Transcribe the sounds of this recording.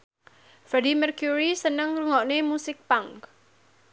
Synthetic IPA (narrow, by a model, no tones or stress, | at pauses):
fɾɛdimɛrkjuɾisənəŋruŋɔʔnemusɪk̚paŋk